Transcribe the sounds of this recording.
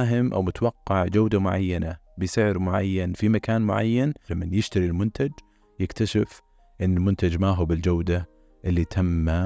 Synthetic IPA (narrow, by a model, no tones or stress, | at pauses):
ɦɪmʔa̰wmʊt̪awɑqːɑʕd͡ʒawd̪amʊʕa̰jːana | bɪsɪʕɾmʊʕa̰jːanfimakaːnmʊʕa̰jːanlamːanjɪʃt̪aɾilmʊnt̪ad͡ʒ | jɪkt̪aʃɪf | ʔɪnːɪlmʊnt̪ad͡ʒmaɦubɪld͡ʒawd̪a | ʔɪlːit̪ʰamːa